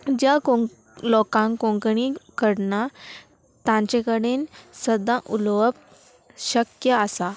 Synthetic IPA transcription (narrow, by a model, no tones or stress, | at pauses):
d͡ʑjak | lɔkãŋkõŋkɳikəɽna | t̪ãɲt͡ɕẽkəɽensəd̪ːãʔulʋəp̚ | ɕəkjəəsa